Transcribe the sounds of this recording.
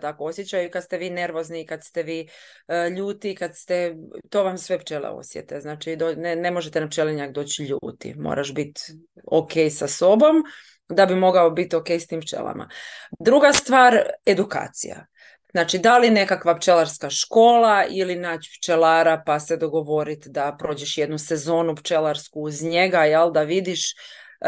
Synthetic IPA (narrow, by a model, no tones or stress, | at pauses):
t̪akoosjet͡ɕajukad̪st̪e̞ʋiːne̞ɾʋo̞znikad̪st̪e̞ʋiː | ʎuːt̪ikad̪st̪e̞t̪o̞ʋamsʋe̞pt͡ʃelḛo̰sjḛt̪eznaːt͡ʃid̪oːnenemoʒet̪enapt͡ʃeleɲakd̪o̞ːt͡ɕʎṵːt̪ḭmo̰ɾʔaʃbit̪ | oke̞ːjsaso̞bo̞m | d̪abimo̞ɡaobit̪o̞kejst̪iːmpt͡ʃḛla̰mʔa̰d̪ɾuɡast̪ʋaːɾe̞d̪uka̰ːt̪sḭja̰ | znaːt͡ʃid̪aline̞kakʋapt͡ʃe̞laɾskaʃko̞ːlˠailinaːt͡ɕpt͡ʃelaːɾapased̪o̞ɡo̞ʋo̞ɾit̪d̪apɾo̞ːd͡ʑeʃjed̪nuse̞zo̞ːnupt͡ʃelˠaɾskuːzɲe̞ɡajelˠd̪aʋid̪iʃ